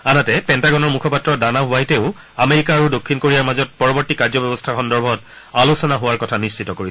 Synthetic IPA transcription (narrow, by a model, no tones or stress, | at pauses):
anatɛpɛntaɡɔnɔɹmukʰɔpatɹɔdanaɦʊajteʊ | ameɹikaːɹudokʰːinkoɹijaɹmazɔt̚pɔɹɔbɔɹtikaɹzɔbɔbɔstʰaxʰɔndɔɹbʱɔt | alusɔnaɦʊwaɹkɔtʰanisːitɔkoɹi